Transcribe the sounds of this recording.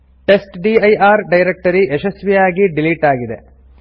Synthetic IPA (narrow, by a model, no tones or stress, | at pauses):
ʈe̞sʈɖiɐjaːɾɖɐjɾek̚ʈɐɾiʔeʃɐsʋijaːɡiɖiliʈaːɡid̪e̞̰